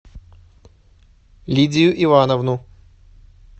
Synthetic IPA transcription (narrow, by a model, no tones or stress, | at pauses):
lʲidʲɪjʊʔivanɐvnu